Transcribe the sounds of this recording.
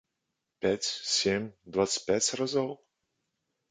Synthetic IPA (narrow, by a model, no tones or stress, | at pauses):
pʲæt͡sʲsʲemʲd̪vat̪sɨ̥pʲætʲrazɔlˠ